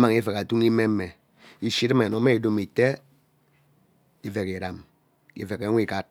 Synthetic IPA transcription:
ma˨ŋ˦i˦fe˨ka˨tu˦ŋi˦me˦me˨ | i˨ʃi˦tme˨no˨˦me˦i˨do˦mi˨te˦ | i˦ve˨ki˨ɾa˨m | ḭ˦fe˨ke˨˦ŋʷ˦i˦˨ka˦t̚

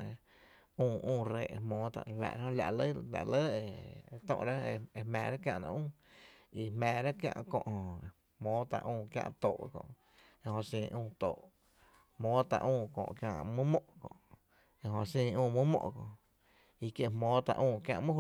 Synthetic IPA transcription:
ũː˧˨ʔũː˧˨ɾeː˧˨˧mõː˨˦t̪a̰˧ʔla̰˨ɾhõ˧la˨ʔlə˦la˨ʔlə˦e˧e˧t̪ɔ̰̃˧ʔɾa˦e˧e˧mɛ̰̃ː˨ɾa˦kjã˧ʔnã̰˧ʔũː˦˨ | i˧hmɛ̃ː˨ɾa˦kjã̰˧ʔkɔ̰̃˧ʔh | hmõː˨˦t̪a̰˧ʔũː˧˨kjã̰˦˧ʔt̪oː˨˧kɔ̰̃˧˨ʔ | e˧hõ˧sĩː˧ʔũː˧˨t̪oː˨ʔ | hmõː˨˦t̪a˧ʔũː˧kɔ̰̃˨ʔkjã˧ʔmũ˦mɔ̃˧ʔkɔ̰̃˨ʔ | e˧ɦõ˧sĩː˧ũː˧mũ˦mɔ̰̃˧˨ʔkɔ̃˧ʔ | i˧kje˦˧hmõː˨˦t̪a˧ʔũː˧˨kjã˧ʔmũ˦

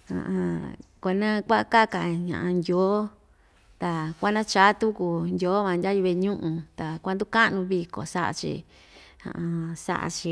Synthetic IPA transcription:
hã̰˨ʔã˧ko˧nã˦kʷa˦ʔa˧ka˦˨ka˨ɲã̰˨ʔã˧ndʲo˨˦ | t̪a˨kʷa˦nã˦t͡ʃaː˦t̪u˦ku˧ndʲo˨˦βã˧ndʲa˦ju˧βe˧ɲũ˦ʔũ˧t̪a˨kʷa˧nd̪u˦ka˦nũ˧βi˧ko̰˨sa˦ʔa̰˧t͡ʃḭ˧ | hã̰˧˨ã˧sa̰˦ʔa̰˧t͡ʃi˧

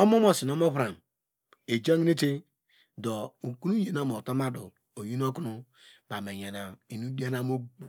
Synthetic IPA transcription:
o˦mo˦mo˦si˨no˦mo˦pɾa˨n | e˨d͡ʒa˦ŋ˦ne˦te˦ | do˨u˨ku˦nu˦je˨na˦mo˨to˦ma˦dṵ˨ | o˨ji˦no˦ku˦nu˦ | ba˨me˨ɲa˨na˨i˨nu˦di˦a˦na˦mo˦u˨

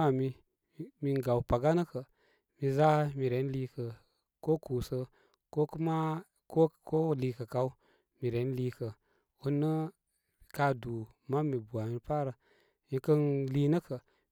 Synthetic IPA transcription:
a˨mi˦ | mi˧ŋɡa˨wpa˨ɡa˦nə˦kə˨ | mi˨za˦mi˨ɾe˨˦n˦li˦kə˨ | ko˦ku˨sə˦ | ko˦kə˦ma˦ | ko˦ko˦li˧kə˨ka˨u˦ | mi˨ɾe˨˦n˦liː˦kə˨ | wu˦nːə˦˨ | ka˨du˨ | ma˦mi˨bu˨a˨mi˨pa˦ɾə˨ | mi˨˧kə˦nli˦nə˦kə˨

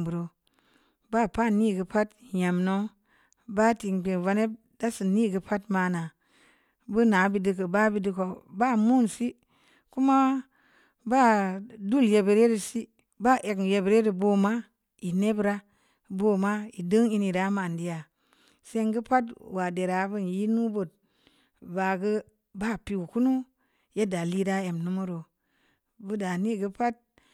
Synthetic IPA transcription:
bu˨ɾo˨ | ba˦˨pa˦˨nːi˦˨ɡə˨˦pa˦tja˨mno˦ | ba˦ti˨ŋk͡pe˨va˧ne˦b̚ | da˦si˨ni˦ɡə˦pʰa˦tma˨na˨ | bu˦na˨˦bi˨dɨ˦k̬ə˨ba˦bi˦di˦ko˨ba˦˨mu˦nsi˦ | ku˦ma˦ | ba˦˨du˦˨lje˨be˨ɾe˦ɾi˨si˦ | ba˦˨ʔe˨kje˨bɾe˦ɾi˨bo˦ma˦ | i˨ne˦bɾa˦ | bo˦ma˦i˨də˦ŋi˦ni˨ɾa˨˦ma˨di˦ja˨ | se˦ŋɡə˦pa˦twa˨de˨ɾa˨˦bɨ˦n˨ji˦nu˦bo˨t̚ | ba˨ɡə˦ | ba˦˨pi˨ɡu˨ku˦nu˦ | je˦da˨li˦da˦e˨mnu˦mu˦ɾo˨ | bu˦da˨ni˦˨ɡə˦pa˦t̚

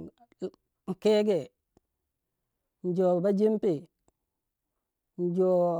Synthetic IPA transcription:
ŋ̩˨ke˦ɡe˨ | n̩˨d͡ʒo˨ba˦d͡ʒi˦mpe˨ | n˨d͡ʒo˨

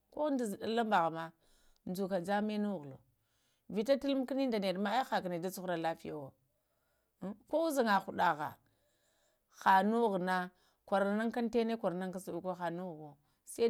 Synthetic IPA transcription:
ko˦nda˨zɗa˨la˦mba˨ɣa˨ma˦ | nd͡ʒu˨ka˨d͡za˦me˦nu˦˨ɣlo̰˨ | vi˨ta˦ti˦lm˦ki˦ni˦nda˨ne˨dma˦a˦xa˨ka˨ne˨da˦t͡su˦xɾa˨la˦fi˦ja˦wo˨˦ | ko˦u˦za˨ŋa˨xu˨ɗa˨ɣa̰˨ | xa˨nu˦ɣna˦ | kʷa˨ɾa˨na˦ŋka˦n˦te˦ne˦kʷa˨ɾa˨na˦ŋka˦su˨u˨ko˦xa˨nu˦˨ɣo˨ | sa˦

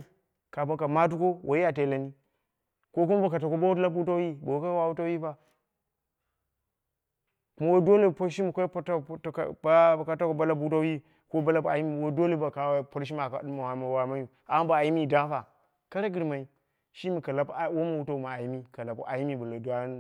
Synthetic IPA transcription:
ka˨ba˦ka˨ma˦t̬u˦ko˦wʔa˨ji˦ja˨t̬e˨la˨ni˦ | ko˦k̬u˦m˦ba˨ka˨t̬a˨ko˦ba˦wu˦la˦bu˦ta˦ji˦bo˨wka˦wa˦wu˦ta˦i˦ba˨ | ku˨˦ma˦wo˦do˦le˦˨po˦ɾʃi˦mu˨ka˦pta˦˨˦kba˦˨ka˦ta˦ko˨ba˦la˦bu˦t̬a˦ji˦ | ko˦ba˦la˦ba˨ji˦mi˦˨wo˦do˦le˨ba˨ka˨wpo˦ɾʃ̬i˦ma˨ka˨˦mu˨ha˨ma˨wa˨ma˦ju˨ | a˨˦ba˨a˨ji˦mi˦˨da˦fa˨ | ka˦ɾa˦ɡi˦ɾma˨i˨ | ʃi˦mi˨ka˨la˨pwo˦ma˨wu˦ta˦˨u˨ma˨a˨ji˦mi˦ka˨la˨pṵ˨ʔa˨ji˦mi˨bu˨la˨du˨a˦

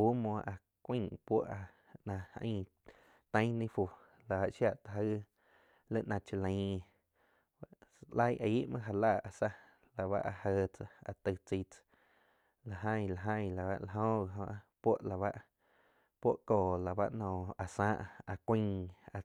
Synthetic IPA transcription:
uː˦mõ˧˨ʔa˨ | kʷĩ˦pʷo˦ʔa˧ | nã˧ə̰̃˦ | t̪ə̃˦j̃nĩ˦fu˧ | la˨a˧ʔʃja˧˨ʔt̪ɦə˦ | lə˦ʔnã˧t͡ʃi˧lə̃˧˦˨ | la˦jʔa˧˨i˦ʔmã˦ʔɦa˧laː˦˨a˨sa˦ | la˨βa̰˦ʔa˧həː˧t͡sa˧a̰˨t̪ɨ˧˨t͡si˧t͡s | la˨ɦə̃˧jla˨ɦə̃˦˧jla˨βa̰˧ʔla˨ɦõ˦˧˨ɦõ˧ʔpwo˦ʔla˨βa˦ʔ | pʷo˦ʔkoː˨la˨ba̰˦ʔnɔ̃˧˨a˨sãː˦ʔa˨kʷĩ˦˧˦ŋa˧˨

